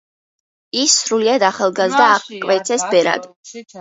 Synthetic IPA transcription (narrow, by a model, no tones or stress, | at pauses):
isːɾuliad̪aχalˠɡazd̪aːʁkʼvɛt̪sʰɛsbɛɾa̰d̪